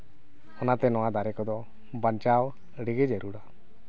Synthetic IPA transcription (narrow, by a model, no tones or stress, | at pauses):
ɔnat̪ɛnɔwad̪aɾɛkɔd̪ɔ | bant͡ʃaw | ɽiɡɛd͡ʒɛɾuɽa